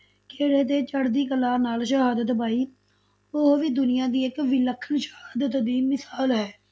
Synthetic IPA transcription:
keːɽeːt̪̬eːt͡ʃəɽd̪iːkəlaːnaːlʃəɦaːd̪ət̪paːiː | oɦʋiːd̪ʊnɪjãːd̪iːɪkʋɪləkʰənʃə̥haːd̪ət̪d̪iːmɪsaːlɦɛː

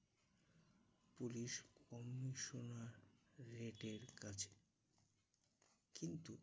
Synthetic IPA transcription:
puliʃkɔmːiʃonaɾːeʈeɾkat͡ɕʰe̥ | kint̪u

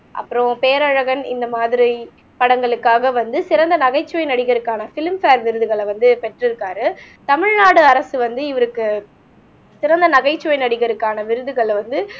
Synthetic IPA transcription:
ʔɐ̰pːɯɾõpeːɾɐɻɐɣɐnɪ̰nd̪ɐmaːðɪɾi | pɐɽɐŋɡɐɭɯkːaːɣɐʋɐnd̪ɯsɪɾɐnd̪ɐnɐɣɐɪt͡ʃːɯʋɐɪnɐɽɪɣɐɾɯkːaːnɐfɪlmfaːɾʋɪɾɯðɯɣɐɭʋɐnd̪ɯpɛʈrɪɾɯkːaːɾɯ | t̪ɐmɪɻnaːɽɯɐɾɐsɯʋɐnd̪ɯɪʋɐɾɯkːɯ | sɪɾɐnd̪ɐnɐɣɐɪt͡ʃːɯʋɐɪnɐɽɪɣɐɾɯkːaːnɐʋɪɾɯðɯɣɐɭʋɐnd̪ɯ

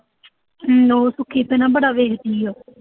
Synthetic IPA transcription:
oːsʊkʰːiːpɛːnãːbəɽaːʋeːkt̪iːoː

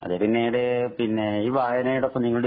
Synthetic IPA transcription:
ɐ̰ðeɾinːejɽepinːeiːʋaːjɐnɐjiɽopːɐmniŋːɐɭ

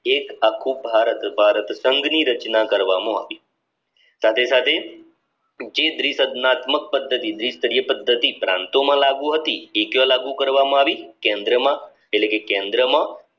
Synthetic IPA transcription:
ekakʰːũbʱaɾət̪bʱaɾət̪səŋɡniɾət͡ʃnakəɾʋamõaʋi | sat̪ʰesat̪ʰe | d͡ʒed̪ɾisəd̪nat̪mək̚pəd̪ʱːət̪id̪ɾist̪əɾijəpəd̪ʱːət̪ipɾã̰nt̪omãlaɡũɦət̪iekjalaɡũkəɾʋamãaʋikẽnd̪ɾəmã | etlekekẽnd̪ɾəmã

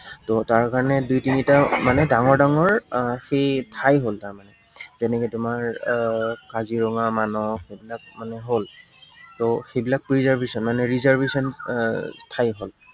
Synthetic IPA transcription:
tɔtaɹkaɹɔnɛdujtinitamanɛdaŋɔɹdaŋɔɹxetʰajɦoltaɹmanɛ | zɛnɛkɛtʊmaɹ | kaziɹɔŋamanɔxejbilak̚manɛɦol | tɔxejbilak̚pɹizaɹbʱisɔnmanɛɹizaɹbʱesɔn | tʰajɦol

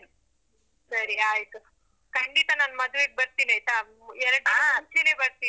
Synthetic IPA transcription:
sɐɾiaːjt̪u | kɐɳɖit̪anaːnmɐd̪ʋeɡ̚bɐɾt̪iːnɐjt̪a | ɛɾɐɖaːɐnt͡ʃʰenebɐɾt̪iː

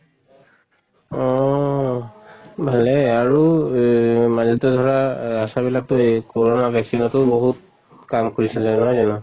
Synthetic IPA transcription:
ɔ | bʱalɛaɹu | mazidɔdʱɔɹaasabilak̚tʊekoɹɔnabʱɛksinɔtʊboɦut̚ | kamkoɹisɛlzanɔzanɔ

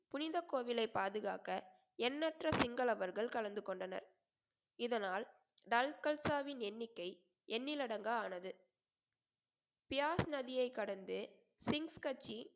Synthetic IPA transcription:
pʊnɪðɐkːoːʋɪlɐɪpːaːðɯɣaːkɐ | ɛnːɐʈrɐsɪŋɡɐlɐʋɐɾɣɐɭkɐɭɐnd̪ɯkɔɳɖɐnɐ̰ɾ | ɪðɐnaːl | ɖɐlkɐlsaːʋɪnɛnːɪkːɐɪ | ʔɛnːɪlɐɽɐŋɡɐaːnɐðɯ | pɪjaːsnɐðɪjɐɪkːɐɽɐnd̪ɯ | sɪŋskɐt͡ʃːi

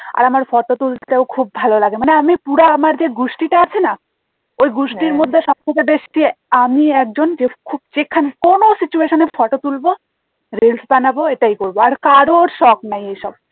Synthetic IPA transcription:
a̰ɾamaɾfɔʈot̪ult̪eokʰub̚ːʱalolaɡemaneamipuɾaamaɾd͡ʑeɡuʃʈiʈaat͡ɕʰena | ojɡuʃʈiɾmod̪ʱːeʃɔb̚kokebeʃʈiamiɛk̚d͡ʑond͡ʑekʰub̚d͡ʑekʰanekonosit͡ɕueʃonefɔʈot̪ulbo | ɾilsbanaboeʈajkoɾboaɾkaɾoɾʃɔknajejʃɔb̚

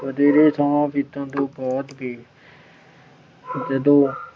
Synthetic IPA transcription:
ʋəd̪eːɾeːsaːãːpɪt̪ãːt̪õːbɔːt̪bʱiː | d͡ʒəd̪õː

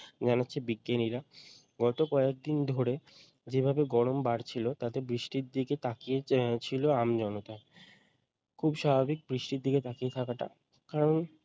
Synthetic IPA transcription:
d͡ʑanatːɕʰebikːeniɾa | ɡɔt̪okɔek̚d̪ind̪ʱoɾe | d͡ʑebʱabeɡɔɽombaɾt͡ɕʰilot̪at̪ebɾiʃʈiɾd̪iket̪akiet͡ɕʰiloamd͡ʑɔnot̪ae | kʰubʃabʱabik̚bɾiʃʈiɾd̪ʱiket̪akiet̪ʰakaʈa̰ | kaɾon

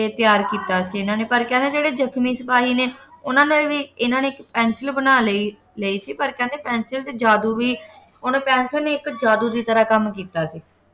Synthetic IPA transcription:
et̪ɪjaːɾkiːt̪aːsiːɪnãːneːpəɾkɛ̃ːnd̪eːd͡ʒeːɽeːd͡ʒəkʰmiːsəpaːɦiːneːʊnãːnẽʋiːɪnãːneːɪkpɛːnsəlbənaːlei | leiːsiːpəɾkɛ̃nd̪eːpɛ̃ːnsəlt̪eːd͡ʒaːd̪uːʋiː | ʊnːpɛ̃ːnsəneːɪkd͡ʒaːd̪uːd̪iːt̪əɾaːkəmkiːt̪aːsiː

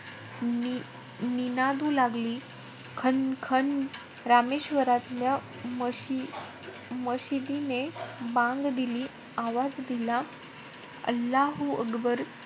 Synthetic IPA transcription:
i | ninad̪uːlaɡliː | kʰənkʰən | ɾameɕʋəɾat̪lja | m | məɕid̪inebãŋɡd̪iliː | aʋad͡zd̪ila | ə̰lːaɦuə̰kbəɾ

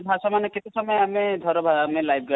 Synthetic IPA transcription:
bʱasɔmanɔkit̪usɔmɔjamid̪ʱɔɾɔbʱaamilajb̚ʰʱɡa

